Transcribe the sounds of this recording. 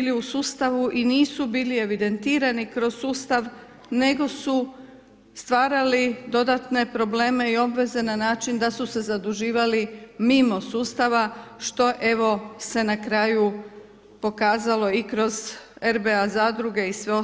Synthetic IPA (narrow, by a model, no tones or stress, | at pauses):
iliusuːst̪aʋuʔiniːsubiːlie̞ʋid̪e̞nt̪iːɾanikɾo̞zsuːst̪aʋ | ne̞ɡo̞su | st̪ʋaːɾalid̪o̞d̪at̪ne̞pɾo̞ble̞ːme̞io̞bʋe̞ze̞nanaːt͡ʃind̪asuse̞zad̪uʒiːʋalimimo̞suːst̪aʋaʃt̪o̞ʔe̞ʋo̞se̞nakɾaːju | po̞kaːzalˠo̞ikɾo̞ze̞ɾbe̞azaːd̪ɾuɡe̞isʋe̞o